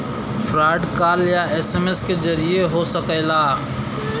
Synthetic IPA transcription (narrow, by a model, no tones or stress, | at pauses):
pʰɾaːɪɖkaːljaeːseːmesked͡ʒɐɾieɦosəkɛlaː